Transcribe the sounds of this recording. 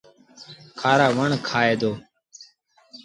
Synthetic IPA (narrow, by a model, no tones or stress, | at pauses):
kʰaːɾaːʋəɳkʰaːeːd̪oː